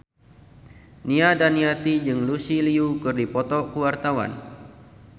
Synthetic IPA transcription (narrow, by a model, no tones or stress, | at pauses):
niadaniat̪id͡ʒɨŋlusiliukɨrdipɔt̪ɔkuwart̪awa̰n